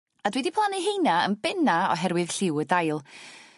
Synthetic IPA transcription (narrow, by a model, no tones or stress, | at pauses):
adwɛdipʰlˠaniɦejnaə̰nbɛnaɔ̰ɦɛɾwɨð̥ɬɪwədajlˠ